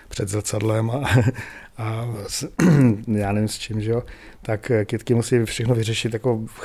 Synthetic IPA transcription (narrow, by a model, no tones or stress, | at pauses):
pr̥ɛd̪zr̩t͡sadlɛma | as | jaːnɛvimst͡ʃimʒɛo | t̪akkɪt̪kɪmusiːfʃɛxnovɪrɛʃɪt̪jako̞